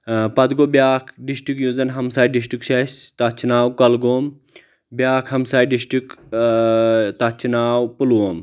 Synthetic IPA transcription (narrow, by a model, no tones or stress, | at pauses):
pɐd̪ɡobʲjaːkʰɖisʈikjuːzɐnɦɐmsaːjɖis̬ʈikʃʰɐst̪ɐt͡ʃʰinaːwkɐlɡoːm | bjaːkʰɦɐmsaːjɖisʈik | t̪ɐt͡ʃʰinaːwpuloːm